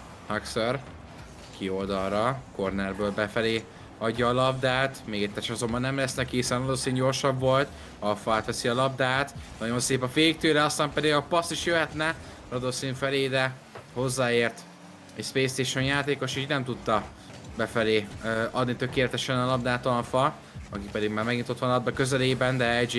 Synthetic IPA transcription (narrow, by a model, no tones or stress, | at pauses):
hɒksør | kʰio̞ld̪ɒlrɒko̞rnɛrbøːlbɛfɛleː | ɒɟːɒːlɒbd̪aːt̪meːɡɛt̪ːɛʃɒzo̞mbɒnːɛmlɛsnɛkihisɛnɒloːsiːɲɟo̞rʃɒbːo̞lt̪ | ɒfɒaːt̪ʋɛsiɒlɒbd̪aːt̪nɒɟo̞nseːpɒfeːk̚t̪øːɾɛɒst̪aːmpɛd̪iɡɒpɒsiʃjøɦɛt̪nɛ | ɾɒd̪oːsiɱfɛleːd̪ɛ | ho̞zːaːeːrt̪ | ɛ̰cspeːst̪eːʃɛnjaːt̪eːko̞ʃiːɟnɛmt̪ut̪ːɒ | bɛfɛleːɒd̪nit̪ø̞keːlɛt̪ɛʃɛnɒlɒb̚d̪aːt̪ɒlfɒ | ɒkipɛd̪iɡmaːrmɛɡiint̪ot̪ʋɒnlɒb̚d̪ɒkø̞zɛleːbɛnd̪ɛɛd͡ʒ